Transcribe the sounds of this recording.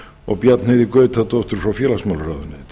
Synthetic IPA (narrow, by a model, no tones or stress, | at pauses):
ɔ̰ɣpjat̪nɪðikœːɥt̪θat̪ɔwht̪ʏɾ̥fɾawfjɛːlasmalɾaðʏnɪt̪